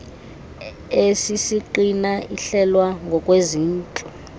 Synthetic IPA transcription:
esisiǃinaiɬɛlwaŋɡʱɔkʼweziːnt͡ɬʼu

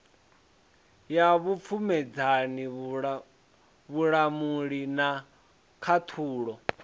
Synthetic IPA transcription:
jaβup̪fʰumɛd͡zani | βuɺamuɺina | kʰat̪ʰuːɺɔ

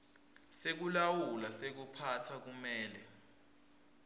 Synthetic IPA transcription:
sek̬ulawulasek̬upʰatʰak̬umɛːlɛ

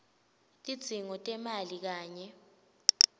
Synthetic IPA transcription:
tʼid̥z̥ʱiŋɔtʼɛmalik̬aːɲɛ

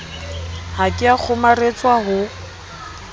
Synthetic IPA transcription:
hakʼɪak͡xʰʊmaret͡sʼwaɦʊ

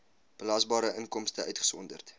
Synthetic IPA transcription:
b̥əlɑːsbɑːɾəʔənkɔmstəœɥtχə̥sɔndərt

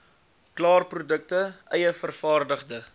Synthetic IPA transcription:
klɑːrprudək̚təʔœjəfərfɑːrdəχdə

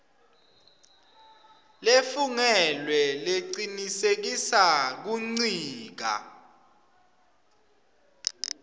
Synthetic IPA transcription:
lefuŋɛlwɛleǀinisek̬isak̬uŋ͡ǀiːk̬a̰

